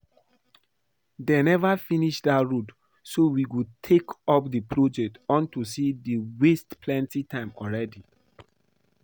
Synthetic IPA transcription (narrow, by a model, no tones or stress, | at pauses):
denɛvafiniʃdatɹud | sowiwud̚tʰekɔpdəpʰɹod͡ʒɛk̚tɔ̃ntusidiwestpʰlɛ̃ntitʰãɪ̃mɔlɹɛdi